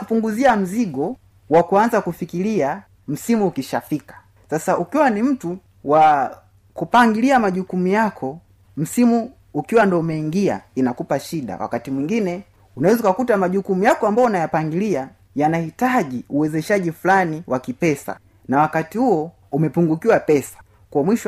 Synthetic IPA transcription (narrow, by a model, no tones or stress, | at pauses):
upuŋɡuziam̩ziɠɔ | wakuanzakufikilia | m̩simuːkiʃafikḁ | sasaukiwanim̩tu | wa | kupaŋɡiliamaʄukumujakʰɔ | m̩simuː | kiwandɔumɛiŋɡia̰inakupaʃiɗa̰wa̰katimwiŋɡinɛ | unawɛzukakutamaʄukumujakɔambaɔnajapaŋɡilia | janahitaʄiuwɛzɛʃaʄifulaniwakipɛsa̰ | nawakatihuɔ | umɛpuŋɡukiwapɛsḁ | kuɔmwiʃ